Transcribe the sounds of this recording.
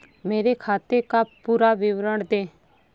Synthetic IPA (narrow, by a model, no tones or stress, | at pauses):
meːɾekʰaːt̪ekapuːɾaʋɪʋɾəɳd̪ẽː